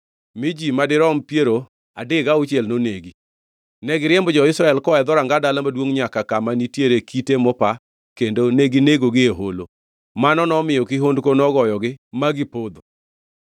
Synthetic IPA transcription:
mɪd͡ʒimadɪɾɔmpjeɾo | a̰dɪɡaʊt͡ʃjelnoneɡi | nɛɡɪɾjɛmbɔd͡ʒɔɪsɾaɛlkɔɛd̪ɔɾaŋɡadalamadwoŋɲakakamanitjeɾekʰitemɔpa | kendoneɡineɡoɡɪeɦolo | manɔnɔmɪjɔkɪɦondkonɔɡɔjɔɡɪmaɡɪpod̪o

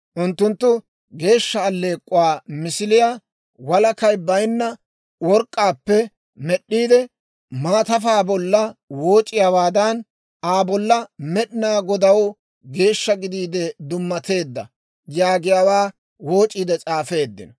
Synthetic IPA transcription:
ʔʊnt̪ːʊnt̪ːʊ | ɡe̞ːʃːɐːlːe̞ːkʼːʊwaːmɪsɪlɪja | wɐlɐkɐjbɐjnːɐ | wɔɾkʼːaːpːɛ | mɛɗːiːd̪ɛ | maːt̪ɐfaːbɔlːɐwo̞ːt͡ʃʼːɪjaːwaːd̪ɐn | aːbɔlːɐmɛɗɪnaːɡɔd̪ɐw | ɡe̞ːʃːɐɡɪd̪iːd̪ɛd̪ʊmːɐt̪e̞ːd̪ːɐ̰ | jaːɡɪjawaː | wo̞ːt͡ʃʼːiːd̪ɛt͡sʼaːfe̞ːd̪ːɪ̰nɔ

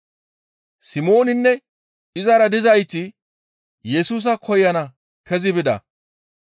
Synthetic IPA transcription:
sɪmo̞ːnɪnːɛ | ɪzɐɾɐd̪ɪzɐjt͡sːɪ | jɛsuːs̬ɐkʰɔjːɐnɐ | kʰɛzɪbɪd̪ɐ̰

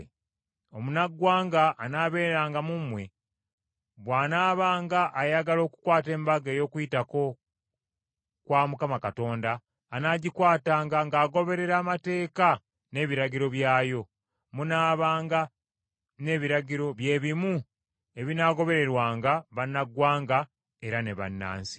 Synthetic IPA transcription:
o̞munaɡwaːŋɡaʔːnaːβe̞ːɾeɾaːŋɡamumːwe̞ | βwaːnaːβaːŋɡaʔːjaɡalo̞ːku̥kwaːte̞ːmbaɡe̞ːjo̞ːkwuitako̞ | kwaːmukamakato̞ːndaː | naːɟikwaːtaŋɡaŋɡaːɡo̞βe̞ɾe̞ɾaːmate̞ːka | ne̞ːβiɾaɟiɾo̞βjaːjo̞ | munaːβaːŋɡa | ne̞ːβiɾaɟiɾo̞βje̞ːβimu | e̞βinaɡo̞βe̞ɾe̞ɾwaːŋɡaβanːaɡwaːŋɡa | e̞ɾane̞βa̰nːa̰ːnsi̥

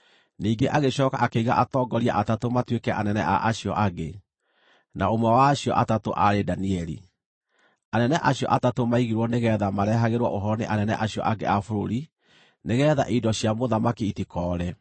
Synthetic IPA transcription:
niːŋɡeʔaɣeɕɔːkaʔakeiɣa̰ʔatɔːɡɔɾia̰ʔatatomatwekɛʔanɛnɛ̰ʔa̰ʔaɕiɔ̰ʔaɡe | naomwɛwaːɕiɔ̰ʔatatoʔaɾedaniɛɾḭ | anɛnɛʔaɕiɔ̰ʔatatomaiɣiɾwɔneɣɛːðamaɾɛɦaɣeɾwɔʔoɦɔneʔanɛnɛ̰ʔaɕiɔ̰ʔaɡeafoɾoɾi | neɣɛːða̰ʔidɔɕiamoðamakiitikɔːɾɛ

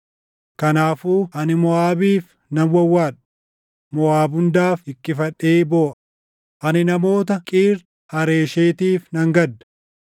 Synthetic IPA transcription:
kɐnaːfuːʔɐnɪmɔaːbiːf | nɐnwɐwːaːᶑɐ̥ | mɔaːbʊnd̪aːfɪkːɪfɐᶑeːboːʔɐ | ʔɐnɪnɐmo̞ːt̪ɐkʼiːɾ | hɐɾe̞ːʃeːt̪iːfnɐŋɡɐd̪ːɐ̥

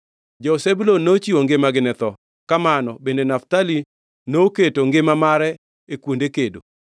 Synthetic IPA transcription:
d͡ʒɔsebulonːot͡ʃiwoŋɡɪmaɡɪnɛt̪ɔ | kamanɔbendenaftali | nooketoŋɡɪmamaɾɛ | ekwondekedo

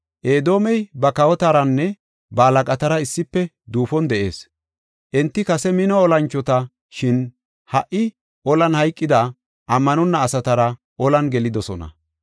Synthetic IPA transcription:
ʔeːd̪o̞ːmɛjbɐkɐwɔt̪aɾɐnːɛ | bɐːlɐkʼɐt̪ɐɾɐɪsːɪpːɛ | d̪uːfɔnd̪ɛʔe̞ːs | ʔɛnt̪ːɪkɐsɛmɪnɔːlɐnt͡ʃːɔt̪ɐ | ʃɪn | hɐʔɪ | ʔɔlɐnhɐjkʼːɪd̪ɐ | ʔɐmːɐnɔnːɐːsɐt̪ɐɾɐ | ʔɔlɐnɡɛlɪd̪ɔsɔnɐ̰

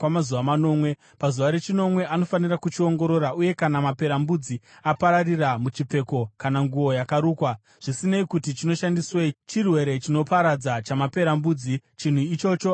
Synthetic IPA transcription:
wamazuʋamano̞ːmwe̞ | pazuʋaɾe̞t͡ʃino̞mwe̞ano̞fanirakut͡ʃio̞ŋɡo̞ɾo̞ɾaʔuje̞kanamape̞ɾambud͡ziapaɾariramut͡ʃip͡fe̞ko̞kanaŋɡuo̞jakaɾuːkwa | ʐ̥isineikutit͡ʃino̞ʃandiswet͡ʃirwe̞ɾe̞t͡ʃino̞paɾad͡zat͡ʃamape̞ɾambuːd͡zit͡ʃin̤uit͡ʃo̞t͡ʃo̞

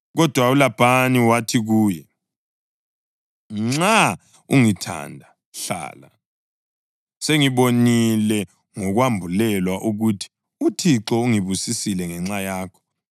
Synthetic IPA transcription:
ɣɔd̥ʱwaulab̥ʱaniwatʰiɣuːjɛ | ŋ͡ǁa | ṵŋitʰa̰ndʱa | ɬa̰ːla | seŋiβonilɛ | ŋɔɣwambʱulɛlwaʔuɣutʰi̥ | utʰiǁɔuŋiβusisilɛŋɛŋ͡ǁajaːkʰɔ̥

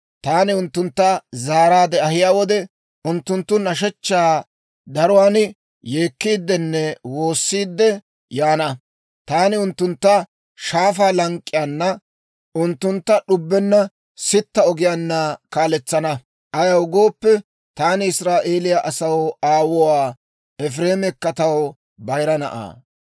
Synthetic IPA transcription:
t̪aːnɪʊnt̪ːʊnt̪ːɐzaːɾaːd̪ɛɐhɪjaːwɔd̪ɛ | ʊnt̪ːʊnt̪ːʊnɐʃɛt͡ʃːaː | d̪ɐɾʊwaːn | jeːkːiːd̪ːɛnːɛwo̞ːsːiːd̪ːɛ | jaːnɐ | t̪aːnɪʊnt̪ːʊnt̪ːɐ | ʃaːfaːlɐŋkʼːɪjanːɐ | ʔʊnt̪ːʊnt̪ːɐɗʊbːɛnːɐ | sɪt̪ːɐɔɡɪjanːɐkaːlɛt͡sːɐnɐ | ʔɐjɐwɡo̞ːpːɛ | t̪aːnɪɪsɾaːʔeːlɪjaʔɐsɐwaːwɔwaː | ɛfɾeːmɛkːɐt̪ɐw | bɐjɾɐnɐ̰ʔa̰ː

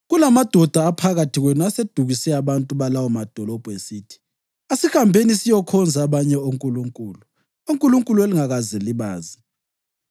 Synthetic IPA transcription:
ɣulamad̥ʱɔd̥ʱaːpʰaɣatʰiɣwenuased̥ʱuɣisɛaβantʼuβalawɔmad̥ʱɔlɔb̥ʱɔesiːtʰi̥ | esixambʱenisijɔkʰɔnd͡zʱaːβaɲɛoŋkʼuluŋkʼuːlu | uŋkʼuluŋkʼulueliŋaɣazeliβaːzi

